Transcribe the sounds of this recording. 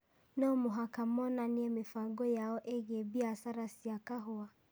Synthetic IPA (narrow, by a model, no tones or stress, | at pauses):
nɔmuɦakamɔnaniɛmɪfaɡɔjaɔʔeɣɛbiasaɾasiakaɦɔa